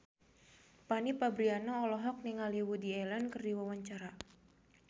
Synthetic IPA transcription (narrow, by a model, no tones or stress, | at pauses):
panipabɾianɔɔlɔɦɔk̚niŋaliwudiɛlankərdiwawaɲt͡ʃaɾa